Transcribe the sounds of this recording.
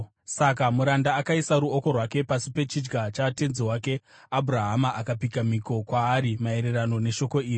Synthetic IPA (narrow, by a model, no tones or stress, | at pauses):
sakamuɾandaːkaisaɾuoko̞rwake̞pasipe̞t͡ʃid͡ʒɡat͡ʃate̞nziwake̞ | abʱuɾaɦamaʔakapikamiko̞kwaːɾimae̞ɾe̞rano̞ne̞ʃo̞ko̞iːri